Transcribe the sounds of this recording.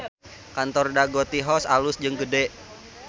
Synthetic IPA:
kant̪ɔrdaɡɔt̪iɦɔsalʊsd͡ʒɨŋɡədɛ

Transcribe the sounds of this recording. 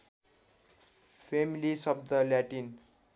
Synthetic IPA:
pʰemilisʌb̚d̪ʌljaʈin

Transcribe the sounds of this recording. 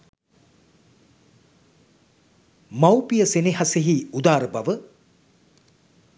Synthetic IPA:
mawpijəseneɦaseɦiud̪aːɾəbaʋə

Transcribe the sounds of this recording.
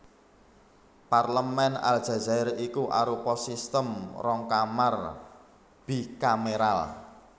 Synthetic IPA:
parləmɛna̰ld̥ʒ̥a̤zaɪɾikuʔa̰ɾupɔsist̪əmrɔŋkamar | b̥ikameɾal

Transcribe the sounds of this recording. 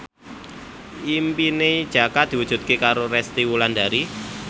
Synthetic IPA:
ʔimpined̥ʒ̥a̤kad̪̥i̤wudʒ̥ṳt̪̚kekaɾorɛst̪iwuland̪a̤ɾi

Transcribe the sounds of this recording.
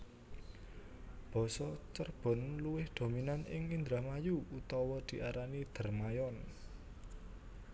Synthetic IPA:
b̥ɔ̤sɔt͡ʃərb̥ɔ̤nluwɪhd̪̥o̤minanɪ̰ŋind̪ɾamajuut̪ɔwɔd̪̥i̤ʔaɾanid̪̥ə̤rmajɔn

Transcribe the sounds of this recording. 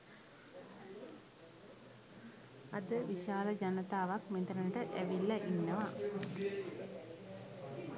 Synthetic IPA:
ɐd̪əʋiʃaːlɐd͡ʒɐnɐt̪aːʋakmind̪ɾɐnɐʈəʔeʋilːɐʔinːɐʋa

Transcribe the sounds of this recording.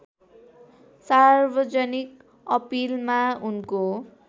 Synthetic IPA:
sarbʌd͡zʌnik̚ | ʌpilmaunko

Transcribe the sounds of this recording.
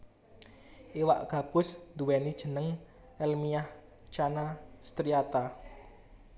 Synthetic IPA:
ʔiwaʔɡ̥a̤b̥ʊ̤sd̪uwɛnid̥ʒ̥ə̤nəŋ | ɛlmijah | t͡ʃanast̪ɾiat̪a

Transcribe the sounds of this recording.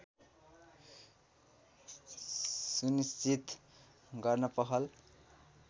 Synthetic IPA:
sunist͡sit̪ | ɡʌrnʌpʌɦʌl

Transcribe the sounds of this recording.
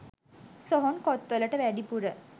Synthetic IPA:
soɦonkɔt̪ːələʈəʋæɖipuɾə

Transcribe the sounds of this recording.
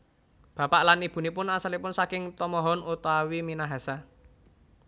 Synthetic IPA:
b̥ä̤paʔlanib̥ṳnipʊnasalipʊnsakɪŋt̪ɔmɔɦɔnut̪awiminaɦasa

